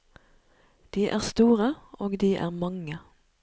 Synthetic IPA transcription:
d̪̥iːʔæːʁst̪uːʁəoːɡd̪iːʔæ̰ːʁmɑŋə

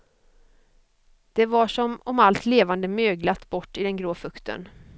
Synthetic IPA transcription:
d̪̥ɛvaʂɔmɔmalt̪leːvand̪əmøːɡlat̪ːbɔʈːɪd̪ɛnɡɾoːfɵkt̪ʰə̰n

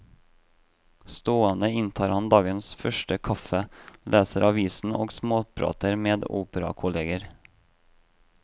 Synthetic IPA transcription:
st̪oːɑnəɪnt̪ʰɑːɾhɑnd̪ɑːɡənsfœʃʈəkʰɑfəlʔeːsəɾʔɑʋiːsn̩ʔo̰ːɡsmoːpʰɾɑ̰ːt̪əɾmeːd̪o̰ːpəɾɑ̰kʰʊleːɡəɾ

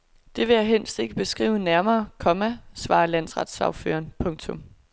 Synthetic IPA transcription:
d̥e̝ʋe̝jɑɦen̰sd̥e̝ɡ̥əb̥e̝sɡ̥ʁḭːʊənæɐmɐːkʰɒ̽mæsʋɑ̰̈ːlæn̰sʁɑ̈d̥sɑ̈ʊfø̰ːɐnpʰɔ̽ŋt͡sʰɔ̽m

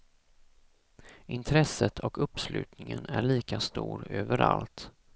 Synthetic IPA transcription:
ʔɪnt̪ʰɾɛsːət̪ʰɔkɵpːslʉ̟ːt̪nɪŋənæɭiːkast̪uːɾøːvəɾalt̪

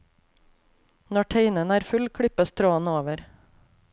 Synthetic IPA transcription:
nɔʈʰeɪnənæːɾfʉlkʰɽɪpəst̪ʰɾoːənoːʋəɾ

